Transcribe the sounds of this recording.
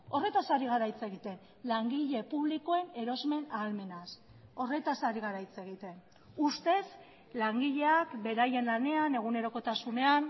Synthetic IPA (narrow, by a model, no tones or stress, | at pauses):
o̞re̞t̪asaɾiɣ̞aɾajt͡se̞ɣit̪e̞n | laŋɡiʎe̞puβliko̞e̞ne̞ɾo̞zme̞nalme̞nas | o̞re̞t̪asaɾiɣaɾajt͡se̞ɣ̞it̪e̞n | ust̪e̞z | laŋɡiʎe̞akbe̞ɾaje̞nlane̞ane̞ɣ̞une̞ɾo̞ko̞t̪asune̞an